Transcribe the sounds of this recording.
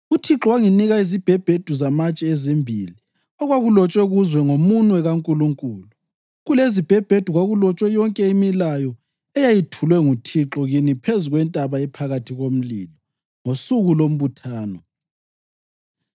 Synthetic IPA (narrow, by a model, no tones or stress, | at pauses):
utʰiǁɔwaŋiniɣaizib̥ʱɛb̥ʱed̥ʱuzamat͡ʃʼɛɛzembʱili | ɔɣwaɣulɔt͡ʃʼwɛɣuzwɛŋomunwɛɣaŋkʼuluŋkʼuːlu | ɣulezib̥ʱɛb̥ʱed̥ʱuɣwaɣulɔt͡ʃʼwɛjɔŋkʼɛimilajɔ | ɛjajitʰulwɛŋutʰiǁɔɣinipʰezuɣwɛntʼaβaɛpʰaɣatʰiɣom̩lḭːlɔ | ŋosuɣulom̩βutʰaːnɔ